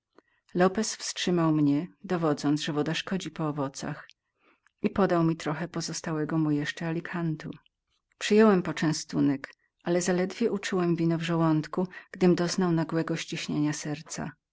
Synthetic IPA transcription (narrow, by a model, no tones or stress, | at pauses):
lɔpɛsfstʂɘmawmɲɛd̪ɔvɔd̪zɔnt̪ʐɛvɔd̪aʂkɔd͡ʑipɔːvɔt̪sa̰x | ipɔd̪awmʲit̪ɾɔxɛpɔzɔst̪awɛɡɔmujɛʂt͡ʂɛalʲikʰant̪ṵ | pʂɘjɔwɛmpɔt͡ʂɛ̃w̃st̪unɛk | ʔalɛzalɛd̪vʲjɛʔut͡ʂuwɛmvʲinɔvʐɛwɔnt̪kuɡ̥d̪ɘmd̪ɔznawnaɡwɛɡɔɕt͡ɕiɕɲeɲasɛɾt̪sa̰